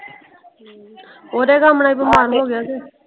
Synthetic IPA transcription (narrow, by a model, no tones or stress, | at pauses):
oːɾeːɡaːmnaːiːbəmaːɾɦoːɡɪjaːseː